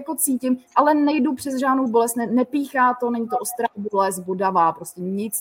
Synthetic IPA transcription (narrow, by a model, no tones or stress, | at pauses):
akot͡siːcɪmʔalɛnɛjdupr̝̥ɛzʒaːdnowbo̞lɛst̪nɛnɛpiːxaːt̪o̞nɛɲɪt̪oʔost̪ɾabolɛsbodavaːpɾoscɛɲɪt͡s